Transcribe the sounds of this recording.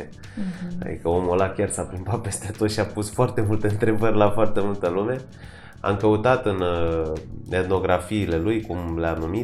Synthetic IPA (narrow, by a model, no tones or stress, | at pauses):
e | a̰d̪ḭkəomolakʲjarsapɾimbat̪̚pe̞st̪e̞t̪o̞t̪ʃiapusfoart̪e̞mult̪eɨnt̪ɾe̞bərʲlafoart̪e̞mult̪əlume̞ | a̰mkəut̪at̪ɨn | et̪no̞ɡɾafiːle̞lujkumleanumi